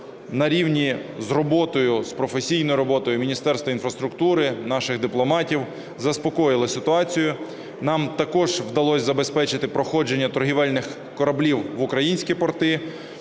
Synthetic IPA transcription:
nɐɾʲiwnʲizrɔbɔt̪ɔjʊspɾɔfesʲijnɔjʊɾɔbɔt̪ɔjʊmʲinʲist̪ɛrst̪ʋɐinfɾɐst̪ɾʊkt̪uɾɪnɑʃɪɣd̪ɪplˠɔmɑtʲiw | zɐspɔkɔjɪlˠɪsɪt̪ʊɑt͡sʲijʊ | nɑmt̪ɐkɔʒ̥wd̪ɐlˠɔsʲzɐbe̞spɛt͡ʃɪt̪ɪpɾɔxɔd͡ʒe̞nʲːɐt̪ɔrɦʲiʋɛlʲnɪx | kɔɾɐblʲiwʋʊkɾɐjinʲsʲkʲipɔrt̪ɪ

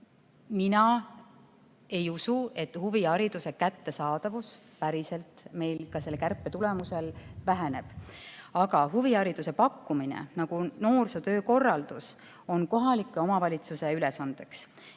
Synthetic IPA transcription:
minɑ | e̞jusue̞t̪ːhuviɑɾid̪̥use̞kæt̪ːe̞sɑːd̪̥ɑvus | pæɾise̞lt̪ˑme̞jlkɑse̞lkærpːˑet̪ule̞muse̞lvæɦene̞b̥ɑɡɑhuviɑɾid̪̥use̞pɑkːuminḛnɑɡ̥uno̞ːrsut̪ø̞ːko̞rːɑld̪̥us | o̞nko̞ɦɑlikːˑe̞o̞mɑvɑlʲit̪suse̞ylesɑnd̪̥e̞ks

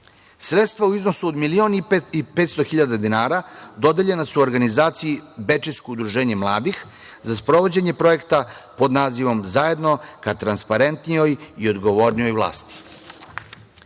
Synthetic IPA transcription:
sɾet̪st̪ʋauizno̞suod̪milio̞ːniipet̪st̪o̞xiʎad̪ad̪inaːɾad̪o̞d̪eʎe̞nasuoɾɡanizaːt̪sijibe̞t͡ʃiskoud̪ɾuʒe̞ːɲe̞mlˠaːd̪ix | zaspɾo̞ʋo̞d͡ʑe̞ɲe̞pɾo̞je̞kt̪apo̞d̪naːziʋo̞mzaje̞d̪no̞kat̪ɾanspaɾe̞nt̪nijo̞jio̞d̪ɡo̞ʋo̞ːɾnijo̞jvlˠa̰ːst̪i̥

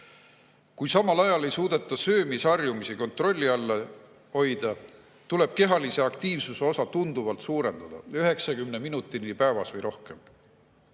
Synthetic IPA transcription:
kujsɑmɑlɑjɑle̞jsuːd̪̥e̞t̪ːˑɑsø̞ːmisɑrjumisiko̞nt̪ro̞lʲːiɑlːe | ho̞jd̪̥ɑ | t̪ule̞b̥̚ke̞ɦɑlise̞ɑkt̪iːvsuseo̞sɑt̪und̪̥uvɑlt̪suːɾe̞nd̪̥ɑd̪̥ɑ̰yɦe̞ksɑkymneminut̪ːˑinipæːvɑsvɤjɾʔo̞hke̞m

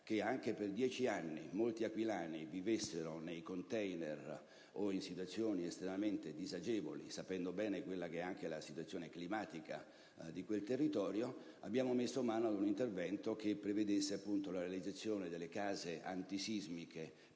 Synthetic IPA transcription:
k̟eaŋkeperd̪jɛːt͡ʃianːḭmolt̪iakwilaːnivivesːeɾonejkont̪ɛjner | oinsit̪wat̪sːjoːniest̪ɾemament̪ed̪izad͡ʒɛːvo̰lḭsapɛnd̪obɛːnekwelːakeɛaŋkelasit̪wat̪sːjoːneklimaːt̪ika̰ | d̪ikwelt̪erːit̪ɔːɾjo | a̰bːjaːmomesːomaːnoad̪unint̪ervɛnt̪ok̟epːɾeved̪esːeapːunt̪olaɾealid̪zat̪sːjoːned̪elːekaːzeʔa̰nt̪isizmike

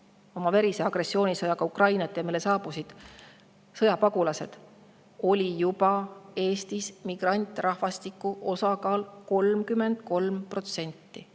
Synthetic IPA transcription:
o̞mɑveɾiseɑɡ̥re̞sːio̞ːnʲisɤjɑkɑukrɑjnɑt̪ːˑemilːe̞sɑːb̥usid̪̥ | sɤjɑpɑɡ̥ulɑse̞d̪̥ | o̞lʲijupɑe̞ːst̪ismiɡ̥rɑnʲt̪ˑrɑhvɑst̪ikːˑuʔo̞sɑkɑːlko̞lmkyme̞nd̪̥̚ko̞lmpro̞t̪se̞nʲt̪ːi

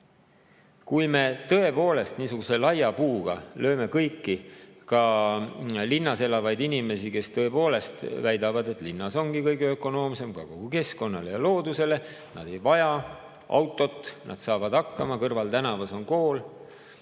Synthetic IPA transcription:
kujme̞t̪ɤ̞e̞po̞ːle̞st̪niːsuɡ̥use̞lɑjɑpuːɡ̥ɑlʔø̞ːme̞kɤjkːikɑ | linːɑse̞lɑvɑjd̪inime̞sike̞st̪ɤ̞e̞po̞ːle̞st̪væjd̪ɑvɑd̪e̞t̪ˑlinːɑso̞nɡ̥ikɤjɡeøkˑo̞no̞ːmse̞mkɑko̞ɡ̥uke̞sko̞nːɑle̞jɑlo̞ːd̪use̞le̞nɑ̰d̪̥e̞jvɑjɑ | ɑ̰wt̪ːˑo̞t̪ːˑnʔɑ̰d̪̥sɑːvɑd̪̥ɑkːɑmɑkɤrvɑlt̪ænɑvɑso̞nko̞ːl

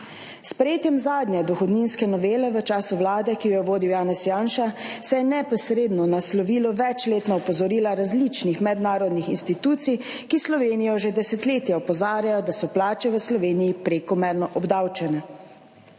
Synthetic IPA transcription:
spɾɛjeːt̪jɛmzaːd̪njɛd̪ɔxɔd̪ninskɛnɔʋeːlɛʋət͡ʃaːsuwlaːd̪ɛkijɔjɛʋoːd̪iwjaːnɛsjaːnʃasɛjɛnɛpɔsɾeːd̪nɔnaslɔʋiːlɔʋɛt͡ʃleːt̪nɔɔpɔzɔɾiːlaɾazlit͡ʃnixmɛd̪naːɾɔd̪nixinst̪it̪uːt̪sijkislɔʋeːnijɔʒed̪ɛsɛt̪leːt̪jɛɔpɔzaːɾjajɔd̪asɔplaːt͡ʃɛʋəslɔʋeːnijipɾekɔmɛɾnɔʔɔbd̪awt͡ʃɛnɛ

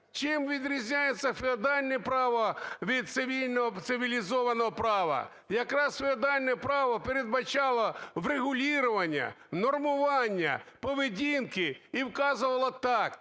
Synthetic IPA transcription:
t͡ʃɪmʋʲid̪ɾʲizʲnʲajet͡ssʲːɐfʲɪɔd̪ɑlʲnɛpɾɑʋɔʋʲid̪̚t̪sɪʋʲilʲnɔɦɔt̪sɪʋʲilʲizɔʋɐnɔɦɔpɾɑʋɐ̰ | jɐkɾɑsfʲɪɔd̪ɑlʲnɛpɾɑʋɐpeɾed̪̚bɐt͡ʃɑlˠɔʋreɣʊlʲiɾʊʋɐnʲːɐ̰nɔrmʊʋɑnʲːɐ̰pɔʋɪdʲinkɪiwkɑzʊʋɐlˠɔt̪ɑk

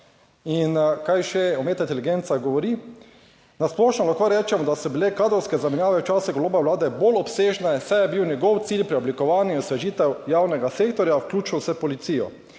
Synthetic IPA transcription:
inkajʃɛɔmeːt̪at̪ɛliɡent̪saɡɔʋɔɾi | nasplɔʃnɔlaxkoɾɛːt͡ʃɛmɔd̪asɔbilekaːd̪ɾɔwskɛzamɛnjaːʋɛwt͡ʃaːsɛɡoloːbɛwlaːd̪ɛbolɔpseːʒnɛsɛjɛbiwnʲjɛɡɔwt̪siːlpɾiɔblikɔʋaːnjusʋɛʒiːt̪ɛwjaːwnɛɡaseːkt̪ɔɾjawklʲuːt͡ʃuwsɛpɔlit̪siːjɔ̰

